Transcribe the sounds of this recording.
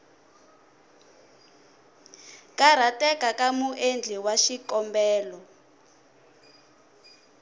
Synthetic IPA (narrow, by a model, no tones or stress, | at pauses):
kaɾ̤atɛkakamuʔend͡ɮʱiwaʃikɔmbɛːlɔ